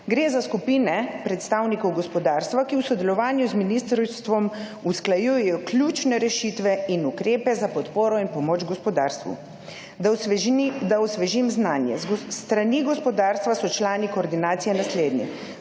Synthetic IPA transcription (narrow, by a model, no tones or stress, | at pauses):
ɡɾeːzaskupiːnɛpɾɛt̪st̪aːwnikɔwɡɔspɔd̪aːɾst̪ʋakiwsɔd̪ɛlɔʋaːnjuzminist̪ɾst̪ʋɔm | usklajujɛjɔklʲut͡ʃnɛɾɛʃit̪ʋɛinukɾeːpɛzapɔt̪poːɾɔinpɔmoːd͡ʒɡɔspɔd̪aːɾst̪ʋṵ | d̪awsʋɛʒimznaːnjɛ̰st̪ɾaniɡɔspɔd̪aːɾst̪ʋasɔt͡ʃlaːnikoɔːɾd̪inaːt̪sijɛnasleːd̪nḭ